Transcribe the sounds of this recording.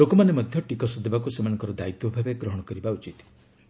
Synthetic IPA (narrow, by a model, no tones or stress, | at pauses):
lokɔmanemɔd̪ʱjɔʈikɔsɔd̪ʱebakusemanɔ̃ŋkɔɾɔd̪ait̪wɔbʱabeɡɾɔɦɔɽ̃ɔkɔɾibaut͡ʃit̪